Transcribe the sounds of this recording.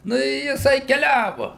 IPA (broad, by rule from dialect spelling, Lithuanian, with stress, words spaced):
ˈnʊ ɪ jɪˈsɐɪ kʲɛˈlʲæːʋʊ